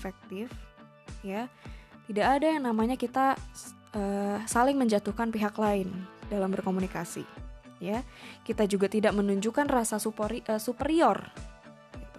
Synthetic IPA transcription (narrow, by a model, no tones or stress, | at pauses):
fɛk̚t̪ɪf | jat̪idakːdajaŋnamaɲakit̪a | əsalɪŋməɲd͡ʒat̪uhkanpiɦaklaɪndalambərkomunikasḭjakit̪ad͡ʒuɡat̪idaʔ̚mənuɲd͡ʒukanrasasupəsupəɾiɔr | ɡit̪u